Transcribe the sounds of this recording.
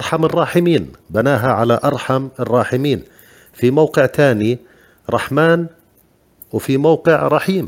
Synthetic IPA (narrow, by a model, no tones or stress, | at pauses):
ʔɑɾˤħamɪrˤːɑːħɪmiːnbanaːɦaʕalaʔɑɾˤħamɪrˤːɑːħɪmiːn | fimawqɪʕt̪aːni | ɾˤɑħmaːn | wfimawqɪʕɾˤɑħiːm